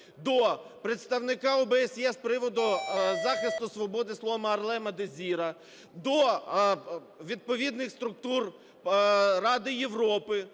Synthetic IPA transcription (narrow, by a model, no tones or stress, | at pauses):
d̪ɔpɾet̪st̪ɐwnɪkɑɔbɛːsʲjɛspɾɪʋɔd̪ʊzɑxɪst̪ʊsʋɔbɔd̪ɪsˠɔʋmɐrlˠɛmɐd̪ezʲiɾɐ | d̪ɔ | ʋʲid̪̚pɔʋʲid̪nɪxst̪ɾʊk̚t̪ur | ɾɑd̪ɪjeʋɾɔpɪ